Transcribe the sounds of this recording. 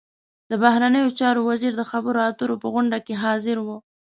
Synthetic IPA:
d̪̥əbahɾanəjot͡ʃɑɾowaziɾd̪əxabəɾoat̪əɾopəɣʊɳɖakeɦɑzɪɾwo

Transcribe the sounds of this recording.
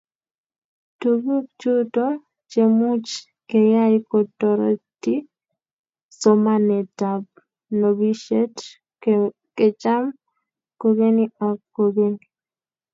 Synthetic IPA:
tubuk̚t͡ʃuto | t͡ʃemut͡ʃ | kɛjajkɔtɔɾɔ̰ti | sɔmanɛtab̚ | nobiʃet | ket͡ʃam | koɡeniɔkkːoɡeni

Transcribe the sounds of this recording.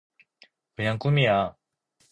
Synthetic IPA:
ɯɲaŋk͈umija

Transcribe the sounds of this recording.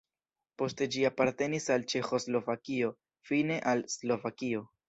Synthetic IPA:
po̞ste̞d͡ʒiapaɾte̞nisalt͡ʃe̞xo̞slo̞vakio̞ | fine̞ʔalslo̞vakio̞

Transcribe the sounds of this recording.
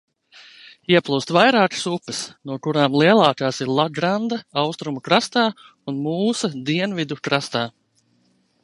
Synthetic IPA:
iɛplˠuːst̪vajɾaːkə̥supːəsnuɔkuɾaːmlˠiɛlˠaːkaːsiɾlˠaɡɾand̪aawst̪ɾumukɾast̪aː | unmuːsɐd̪iɛnvid̪ukɾast̪aː

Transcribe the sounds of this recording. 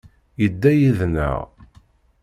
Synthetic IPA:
jəd̪ːæjiðnə̰ʁ

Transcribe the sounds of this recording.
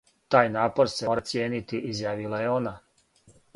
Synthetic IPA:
t̪aːjnaːpo̞ɾseoːɾat̪sjeːnit̪iʔizjaːʋilˠaje̞o̞na

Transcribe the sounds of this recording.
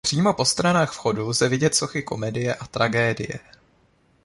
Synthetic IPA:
pr̥iːmo̞po̞st̪ɾanaːxfxo̞duzɛvɪɟɛt̪so̞xɪko̞mɛdɪjɛʔat̪ɾaɡɛːdɪ̰jɛ̰

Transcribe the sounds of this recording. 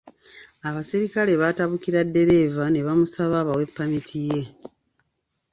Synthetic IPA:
aβasiɾikale̞βataβukiɾadːe̞ɾe̞vane̞βamusaβaːβawe̞pːamitʰije̞

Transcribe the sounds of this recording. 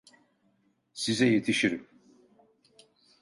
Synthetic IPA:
sizɛjet̪ʰiʃiɾim

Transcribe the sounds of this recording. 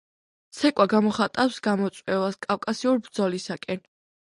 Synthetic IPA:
t̪sʰɛkʼwaɡamɔχat̪ʼafsɡamɔt̪sʼwɛvaskʼawkʼasiuɾbɾd̪zɔlisakʼɛn

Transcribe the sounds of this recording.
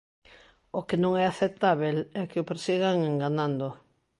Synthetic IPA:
okɪnõŋɛaθet̪aβelɛkɪopeɾsiɣ̞aŋeŋɡanãnd̪o

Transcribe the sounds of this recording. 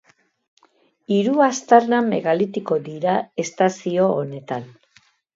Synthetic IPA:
iɾuast̪aɾname̞̰ɣalit̪iko̞ðiɾae̞st̪asio̞ːne̞t̪an

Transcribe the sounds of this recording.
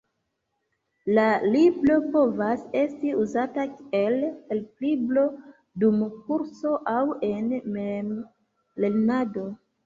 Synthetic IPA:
laliblo̞po̞vase̞stiuzataelelpliblo̞ | dumk̚uɾso̞ʔawe̞nmem | le̞lnado̞

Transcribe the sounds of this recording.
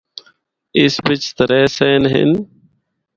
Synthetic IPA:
ɪsbɪt͡ʃt̪əɾeːseːnɦɪ̰n

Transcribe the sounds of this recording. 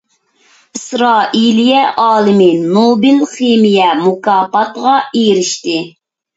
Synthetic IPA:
ɨsɾɑːʔilijɛʔɑːlˠɨmɪnobɪlχemijɛmukɑːpɑt̪ʁɑeɾɪʃt̪ɪ

